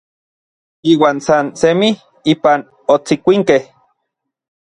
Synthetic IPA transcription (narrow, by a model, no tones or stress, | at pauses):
iːwaːnsansemih | iːpan | ot͡sikʷiŋkeh